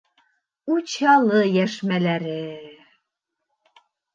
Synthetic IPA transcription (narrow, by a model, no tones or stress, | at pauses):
ut͡ɕɑlˠɤjæʃmælæɾɘ